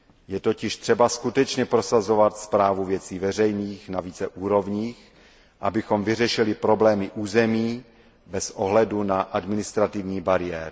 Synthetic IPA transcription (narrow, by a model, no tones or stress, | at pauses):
jɛt̪o̞cɪʃt̪r̥ɛbaskut̪ɛt͡ʃɲɛpɾo̞sazo̞vat̪spɾaːvuvjɛt͡siːvɛr̝ɛjniːxnaviːt͡sɛʔuːɾo̞vɲiːx | ʔabɪxo̞mvɪrɛʃɪlɪpɾo̞blɛːmɪʔuːzɛmiː | bɛsʔoɦlɛdunaʔadmɪnɪst̪ɾat̪ɪvɲiːbaɾɪjɛːɾɪ